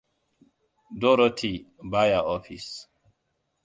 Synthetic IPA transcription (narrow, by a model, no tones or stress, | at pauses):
dɔɾotʰibajaɔfis